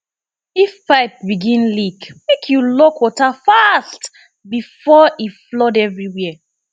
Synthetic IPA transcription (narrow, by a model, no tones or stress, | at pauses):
ifːaɪt̚biɡĩnlikmekʰjulokwɔtafast | bifɔiflɔdɛvɹiwɛ